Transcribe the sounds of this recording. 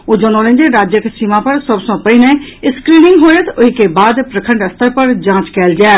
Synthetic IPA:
oːd͡ʒoːnoːlẽnd͡ʒeɾaːd͡ʒjəksiːmãːpəɾsəbsõːpəiːnɛ̃ɪskɾiːnɪŋɡɦoːẽt̪ʊikebaːd̪pɾəkʰə̃ɳɖəst̪əɾpəɾd͡ʒãːt͡ʃkɛːld͡ʒɛː

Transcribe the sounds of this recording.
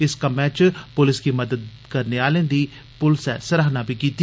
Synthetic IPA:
ɪskəmɛ̃ːt͡ʃpʊlɪskiːməd̪əd̪ | kəɾneaːlẽːd̪iː | pʊlsɛːsəɾaːɦnaːbʱiːkiːt̪i

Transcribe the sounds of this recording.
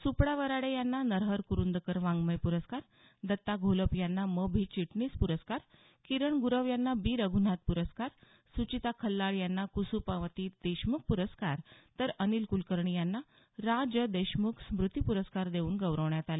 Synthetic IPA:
supɽaʋəɾaɽejanːanəɾɦəɾkuɾund̪əkəɾʋãŋɡməjpuɾəskaɾ | d̪ət̪ːaɡʱoləpjanːaməbʱit͡ɕiʈniːspuɾəskaɾ | kiɾəɳɡuɾəʋjanːabiːɾəɡʱun̤at̪̚puɾəskaɾ | sut͡ɕit̪akʰəlːaɭjanːakusupaʋət̪id̪̥əɕmuk̚puɾəskaɾt̪əɾənilkulkəɾɳijanːa | ɾad͡ʑəd̪əjɕmuksmɾut̪ipuɾəskaɾd̪euːnɡəʋɾəʋɳjat̪ale

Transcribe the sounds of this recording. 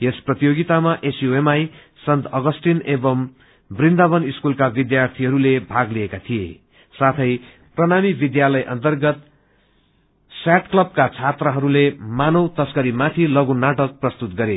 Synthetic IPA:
esprʌt̪ijoɡit̪amaʔesjoemaj | sʌnt̪ʰʌɡʌsʈinebʌm | brind̪abʌniskulkabid̪jart̪ʰiɦʌɾulebʱaɡliekat̪ʰijḛ | sat̪ʰʌj | prʌnamibid̪jalʌjʔʌ̰nt̪ʌrɡʌt̪ | saʈklʌb̚kat͡sʰat̪rʌɦʌɾulemanʌwt̪ʌskʌɾimat̪ʰilʌɡunːaʈʌk̚prʌst̪ut̪ɡʌɾe

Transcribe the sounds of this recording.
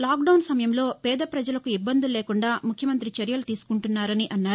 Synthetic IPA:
laːk̚ɖɐwnsɐmɐjɐmlo̞ːpɛːd̪ɐpɾɐd͡ʒɐlɐkuibːɐnd̪uleːkuɳɖaːmukʰjɐmɐnt̪ɾit͡ʃɐɾjɐlut̪iːsu̥kuɳʈunːaːɾɐniʔɐnːaːɾ

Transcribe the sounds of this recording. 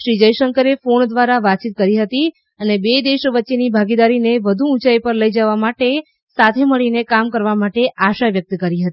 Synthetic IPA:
ʃɾid͡ʒəjʃəŋkəɾefoɳd̪ʋaɾaʋat͡ʃit̪̚kəɾiɦət̪i | ənebed̪eʃʋətːʃenibʱaɡid̪aɾineʋəd̪ʱuːt͡ʃaipəɾləid͡ʒəʋamaʈe | sat̪ʰeməɭinekamkəɾʋamaʈeaʃaʋjək̚t̪kəɾiɦət̪i

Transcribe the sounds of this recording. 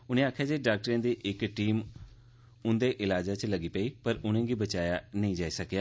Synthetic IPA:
ʊnẽaːkʰjaːd͡ʒeɖaːk̚ʈɾə̃nd̪iːʔɪkʈiːm | ʊ̃nd̪eʔɪlaːd͡ʒat͡ʃlɐɡiːpəipɐɾʊnẽːɡibət͡ʃaːjanɐĩd͡ʒaːisɐkijaː

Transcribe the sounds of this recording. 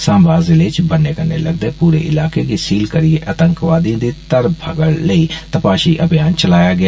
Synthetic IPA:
sãːmbaːzɪlet͡ʃbɐnekɐɾnelɐɡ̚d̪eːpuːɾeʔɪlaːkeɡesiːlkɐɾieʔɐt̪ə̃ŋkʋaːd̪ĩːnd̪it̪ɐɾbʱɐɡəɽlɐit̪ɐpaːʃiʔɐbijaːnt͡ʃɐlaːjaɡɪa

